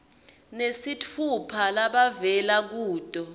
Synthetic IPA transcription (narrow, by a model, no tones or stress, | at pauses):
nesitʰupʰalaɓavɛlak̬uːd̥ʼʱɔ